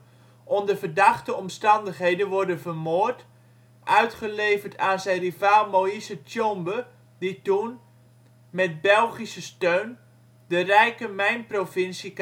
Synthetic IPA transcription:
ʔɔndəvərdɑχtəɔmstɑndəχɦejdənʋɔɹdənvərmoːrt | ʔœɥtχəlejvərtaːnzɛjnrivaːlˠmowisətjɔmbə | ditun | mɛt̚bɛlˠχisəstøɥn | dərɛjkəmɛjnprofɪnsik

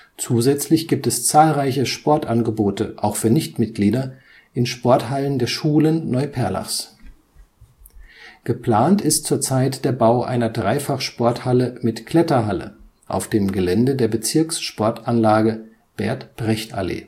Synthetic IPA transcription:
t͡suːzɛt͡slɪçɡ̥iːp̚tɛst͡saːlʁaɪçəʃpɔɐtʔanɡəboːtəʔaʊxfyːɐnɪçtmɪt̚ɡ̥liːdɐ | ʔɪnʃpɔɐthaləndeːɐʃuːlənːɔʏpʰɛɐla̰fs | ɡ̥əpl̥aːntɪstt͡suːɐt͡saɪtd̥eːɐbaʊʔa̰ɪnɐdʁaɪfaχʃpɔɐthaləmɪtkʰl̥ɛtɐɦalə̰ | ʔa̰ʊfd̥eːmɡəlɛndədeːɐbət͡sɪɐksʃpɔɐtʔanlaːɡə | b̥ɛɐtb̥ʁɛçta̰lḛː

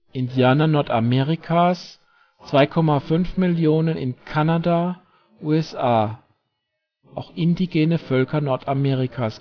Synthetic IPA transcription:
ʔɪndjaːnɐnɔɐtamɛːʁikʰas | t͡sv̥aɪkʰɔmafʏnfmɪljoːnənɪ̰nkʰanada | ʔuːɛsaː | ʔaʊxʔɪndiɡeːnəfœlkɐnɔɐtʰamɛːʁikʰaːs

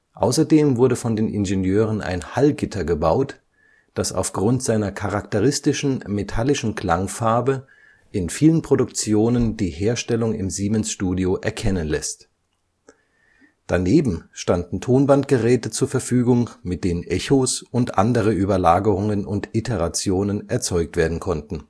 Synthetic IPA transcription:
ʔa̰ʊsɐdeːmvʊɐɾəfɔndeːnʔɪ̰nʒenjøːʁ̞ənʔa̰ɪnhalɡɪtʰɐɡəbaʊt | d̥asa̰ʊfɡ̥ʁʊntz̥aɪnɐkʰaʁaktəʁ̞ɪstɪʃn̩metʰalɪʃn̩kʰl̥aŋfaɐbə | ʔɪnfiːlənpʁ̥odʊkt͡sjoːnəndiːheːɐʃtɛlʊŋɪ̰mziːmɛnsʃtuːdioʔɛɐkʰɛnənlɛst | d̥aneːbm̩ʃtandn̩tʰoːnvantɡ̥əʁɛːtət͡suːɐfɛɐfyːɡʊŋmɪt̚d̥eːnənʔɛçosʊntʔandəʁ̞əʔyːbɐlaːɡəʁ̞ʊŋənʊntɪtʰəʁat͡sjoːnənʔɛɐt͡sɔʏk̚tv̥eːɐdn̩kʰɔntn̩

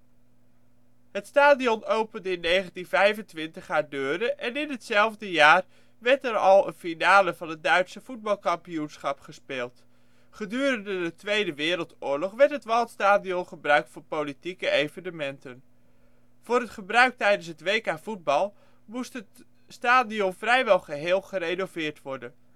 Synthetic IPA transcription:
ɦətstaːdiɔnowpəndəɪnːejχəntinvɛjvəntʋɪntəχaːɹdøːdəʔɛnɪnɦətsɛlˠvdəjaːr | ʋɛɹtɛɾɑlˠənfinaːləvɑnɦət̚dœɥtsəv̥ud̚bɑlˠkɑmpijunsχɑpχəspɪːlˠt | χədyːrəndədətʋejdəʋɪːɾəlˠtʊːɹlɔχʋɛɹtɦətʋɛlˠtstaːdiɔnχəbrœɥk̚tfʊːɹpolitikəejvənəmɛntən | v̥ʊːɾətχəbrœɥk̚tɛjdənsɦətʋejkaːv̥ud̚bɑlˠ | mustət | staːdiɔnvrɛjʋɛlˠχəɦɪːlˠχərejnovɪːɹtʋɔɹdən

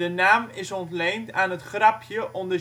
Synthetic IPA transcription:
ənaːmɪsɔntlejntaːnətχrɑpʰjəʔɔndə

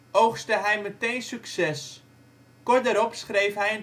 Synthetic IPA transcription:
ʔowχstəɦɛjmətejnsyksɛs | kʊrdəɾɔpsχrejfɦɛjən

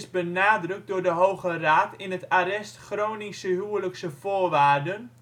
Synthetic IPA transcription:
sbənaːdrɵk̚dʊːrdəɦowɣəraːtɪnətaɾɛstχroːnisəɦyələksəfoːrʋaːrdən

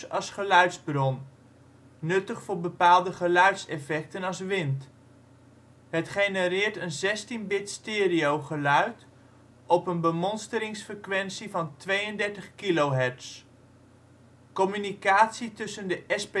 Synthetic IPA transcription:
ɑsχəlœɥtzbrɔnː | ɵtəχfʊːɹbəpaːlˠdəχəlœɥtsɛfɛk̚tənɑsʋɪnt | ɦətχejnəɾɪːɹtənzɛstinbɪtstɪːɾiowχəlœɥt | ɔpənbəmɔnstəɾɪŋsfrəkʋɛnsivɑntʋejəndɛɹtəχkilowɦɛɹts | kɔmynikaːtsitɵsəndəʔɛsp

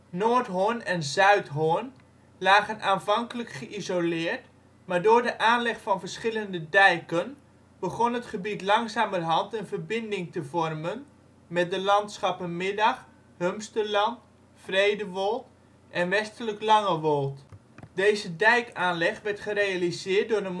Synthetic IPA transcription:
noːɹtɦonɛnzœɥtɦoən | laːɣənʔaːnvɑŋkələkχəʔizolɪːəɹt | maːɹdʊːɹdəʔaːnlɛχfɑnvəɹsχɪləndədɛjkən | b̥əχɔnɦətχəbitlɑŋzaːmərɦɑntənvərbɪndɪŋtəvɔrmən | mɛt̚dəlɑntsχɑpənmɪdɑχ | hømstərlɑnt | frejdəʋolˠt | ʔɛnʋɛstələklɑŋəʋolˠt | deːzədɛjkaːnlɛχʋɛɹtχərejalizɪːɹt̚dʊːrə

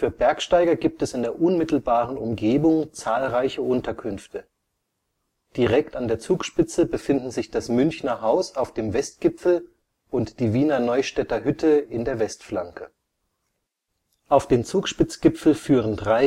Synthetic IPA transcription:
fyːɐbɛɐkʃtaɪɡɐɡiːp̚tɛsɪndeːɐʔʊnmɪtl̩baːʁənʊmɡeːbʊŋt͡saːlʁaɪçəʔʊntɐkʰʏnftʰə | d̥iʁɛktandeːɐt͡suːkʃpɪt͡səbəfɪndn̩zɪçd̥asmʏnçnɐɦaʊsaʊfd̥eːmvɛst̚ɡ̥ɪpfl̩ | ʔʊntd̥iːviːnɐnɔʏʃtɛtɐɦʏtʰəɪndeːɐvɛstflaŋkʰə | ʔaʊfd̥eːmt͡suːkʃpɪt͡sɡ̥ɪpfl̩fyːʁəndʁaɪ

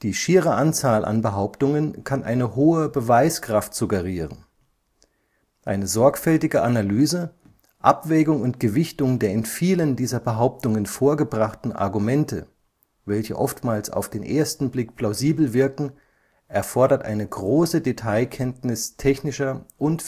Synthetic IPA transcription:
d̥iːʃiːʁəʔant͡saːlʔa̰nbəɦaʊptʊŋənkʰanʔa̰ɪnəɦoːəbəvaɪskʁ̥aftz̥uɡəʁiːʁən | ʔaɪnəzɔɐkfɛltɪɡəʔanalyːzə | ʔapv̥ɛːɡʊŋʊntɡ̥əvɪçtʊŋdeːɐɪnfiːləndiːzɐbəɦaʊp̚tʊŋənfoːɐɡəbʁaχtn̩ʔa̰ɐɡumɛntə̰ | vɛlçə̰ʔɔftmaːlsa̰ʊfd̥eːnʔeːɐstn̩blɪkpʰl̥aʊziːbl̩vɪɐkŋ̩ | ʔɛɐfɔɐdɐtʔa̰ɪnəɡʁoːsədetʰaɪkʰɛntnɪstʰɛçnɪʃɐʔʊnt

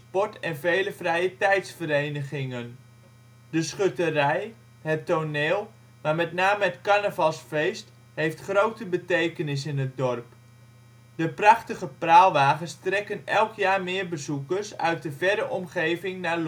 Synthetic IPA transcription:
pɔtɛnvejləvrɛjətɛjtsfəɾejnəχɪŋən | dəsχøtərɛj | ɦətːoneːlˠ | maːɹmɛtnaːməətkanəvɑlˠsfejst | hejftχrowtəbətejkənɪs̬ɪnɦət̚dɔrp | d̥əprɑχtəχəpraːlˠʋaːχənstrɛkənɛlˠkjaːɹmɪːɹbəzukərsœ̰ɥt̚dəvɛɾəʔɔmχejvɪŋnaːl

